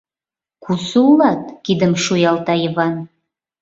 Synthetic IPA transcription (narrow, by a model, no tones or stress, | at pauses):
kʰusəulɑt̪̚kid̪əmʃujɑlˠt̪ɑjəβɑn